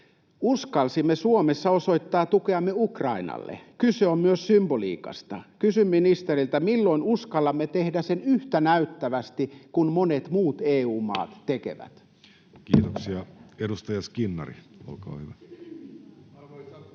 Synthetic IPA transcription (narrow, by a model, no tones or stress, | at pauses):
uskɑlsimːesuomesːɑoso̞it̪ːɑːt̪ukeɑmːeukrɑinɑ̰lːḛkyseommyøssymbolḭːkɑ̰st̪ɑ̰kysymːinist̪erilt̪æmilːoinuskɑlːɑmːet̪ehdæsenyht̪ænæyt̪ːæʋæst̪ikunmonet̪muːt̪eːuːmɑ̰ːt̪ːekḛʋæ̰t̪ | kiːt̪oksiɑedust̪ɑjɑskinːɑrḭo̰lko̰ːhyʋæ